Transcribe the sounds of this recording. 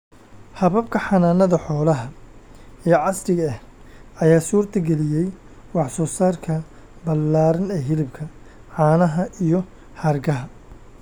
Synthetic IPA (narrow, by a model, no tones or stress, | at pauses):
hɐβɐbkʰɐħɑnaːnɐðɐħɔːlɐɦɐ | ɛjʕɑsɾɪɣɐhɐjaːsuːrt̪ʰɐɡɛlɪjɛj | wɑħsɔːsaːrkʰɐ | bɐlaːɾɐnɛːɦɪlɪb̚kʰɐ | ʕɑːnɐɦɐʔijɔ | hɐrɡɐɦɐ